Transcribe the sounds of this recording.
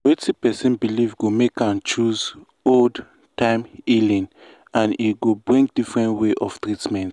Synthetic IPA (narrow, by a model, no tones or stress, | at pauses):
wɛtipɛsɛ̃nbilivɡomekãnt͡ʃuz | old | tãɪ̃milĩŋ | ãniɡobɹĩŋdifɹɛ̃ntweʔɔv̥t̪ɹitmɛ̃nt